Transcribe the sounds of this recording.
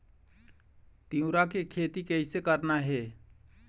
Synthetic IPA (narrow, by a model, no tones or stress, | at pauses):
t̪iũɾakekʰet̪ikəisekəɾnaɦɛ